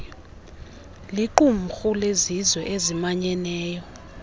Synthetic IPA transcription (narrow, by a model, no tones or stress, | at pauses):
liǃum̩xulezizwɛʔezimaɲɛnɛːjɔ